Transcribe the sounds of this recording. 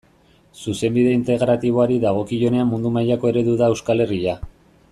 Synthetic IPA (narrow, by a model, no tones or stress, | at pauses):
suse̞mbiðe̞int̪e̞ɣɾat̪iβ̞o̞aɾiðaɣ̞o̞kiʝo̞ne̞amːund̪umajako̞e̞ɾe̞ðuðaewskale̞ria